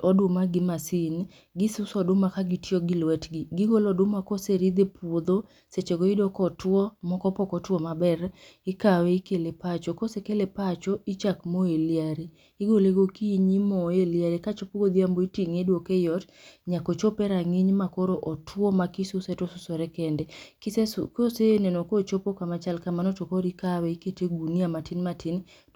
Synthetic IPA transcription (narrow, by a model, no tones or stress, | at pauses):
ɔdʊmaɡɪmasin | ɡɪsʊsɔdʊmakaɡitjoɡɪlwɛtɡɪɡɪɡolɔdʊmakoseɾid̪epwod̪o | set͡ʃeɡoidɔkɔtwɔmɔkɔpɔkɔtwɔmabɛrɪkaweikelepat͡ʃokosekelepat͡ʃɔit͡ʃakmoeliaɾeː | ɡoleɡokiɲimɔeliaɾekat͡ʃopoɡod̪jamboitiŋedwokejɔt | ɲakot͡ʃopɛɾaŋiɲmakoɾoʔɔtwɔmakisʊsɛtɔsʊsɔɾɛkɛndɛksekosenɛnɔkot͡ʃopokamat͡ʃalkamanɔtokoɾikawɛiketeɡuniamatɪnmatɪn